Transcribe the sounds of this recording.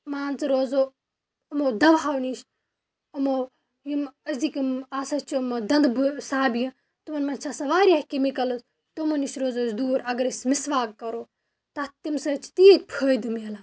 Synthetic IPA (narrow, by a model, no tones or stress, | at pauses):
maːnt͡sɨɾoːzoː | ɐmod̪ɐʋaːwniʃ | ɐmo | jimɐzd̪ikimaːsɐt͡ʃʰmod̪ɐnd̪bsaːbijɐ̃ | t̪umɐnmɐnt͡ʃʰaːsɐʋaːɾiaːhkimikɐlɨt̪ | t̪umɐniʃɾoːzoːsd̪uːɾɐɡɐɾɐsʲmisʋaːkːɐɾoː | t̪at̪imsɐt͡ʃʰi̥t̪iːt̪̚ʲpʰəːd̪ɨmelaː